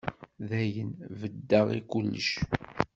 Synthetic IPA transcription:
ðæjənvəd̪ːəʁḭkulːə̰ʃ

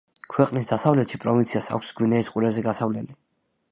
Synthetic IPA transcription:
kʰwɛqʼnisd̪asavlɛt̪ʃipʼɾɔvint̪sʰiasa̰kʷʰsɡwinɛisqʼuɾɛzɛɡasavlɛli

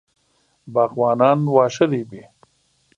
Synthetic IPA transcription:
baːqwɑːnɑːnwɑːʃɐɾibi

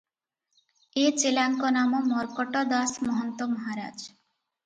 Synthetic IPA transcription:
et͡ɕelaŋkonamomɔɾkoʈad̪asmɔɦont̪omɔɦaɾa̰d͡ʑ

